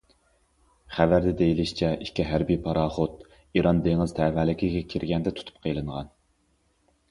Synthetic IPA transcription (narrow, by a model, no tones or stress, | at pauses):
χævæɾd̪ɛd̪ejilɪʃt͡ʃʰɛʔikʲʰːiɦæɾbijpʰɑɾɑːχot̪̚ | iɾɑnd̪eŋɪz̥t̪ʰɛːvælɪkʲʰɪɡʲɛkʲʰiɾɡʲɛnd̪ɛt̪ʰu̥t̪ʰu̥p̚qʰəjlˠɨɴʁɑ̰n